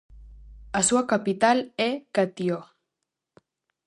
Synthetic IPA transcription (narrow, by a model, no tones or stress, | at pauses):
asuakapit̪alekat̪io